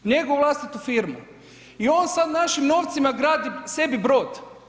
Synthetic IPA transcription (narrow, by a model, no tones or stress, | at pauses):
ɲe̞ɡoʋuʋlˠast̪it̪ufiɾmu | io̞ːnsad̪naʃimno̞ːʋt̪simaɡɾaːd̪ise̞bibɾo̞ːd̪